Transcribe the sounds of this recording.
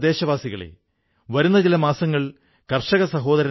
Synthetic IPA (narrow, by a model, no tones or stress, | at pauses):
d̪e̞ːɕɐʋaːsiɣɐɭḛ | ʋɐɾunːɐt͡ɕilɐmaːsɐŋːɐɭ | kɐrʂɐɣɐsɐɦo̞ːd̪ɐɾɐ